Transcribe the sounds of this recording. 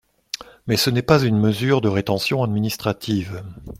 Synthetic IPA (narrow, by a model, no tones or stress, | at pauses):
mɛsənɛpazynməzyʁd̪əʁet̪ɑ̃sjɔ̃ad̪minist̪χat̪ʰiv